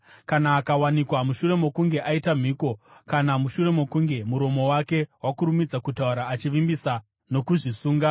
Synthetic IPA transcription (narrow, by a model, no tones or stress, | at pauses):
kanaːkawanikwamuʃure̞mo̞kuŋɡe̞ʔaitam̤iːko̞kanamuʃure̞mo̞kuŋɡe̞muɾo̞mo̞wake̞ɦwakuɾumid͡zakutauɾaːt͡ʃiʋimbisa | no̞kuʐisuːŋɡa